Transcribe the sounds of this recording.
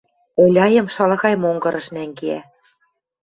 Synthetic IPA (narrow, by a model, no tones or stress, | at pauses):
olʲɑjɤ̆mʃɑlɑ̆ɣɑjmoŋɡɤ̆ɾɤ̆ʃnæŋɡeæ